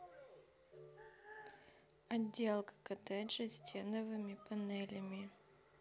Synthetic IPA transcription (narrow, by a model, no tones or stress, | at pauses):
ɐdʲːelˠkə̥kɐt̪ɛdʐɨsʲtʲʰenəvɨmʲɪpɐnɛlʲəmʲɪ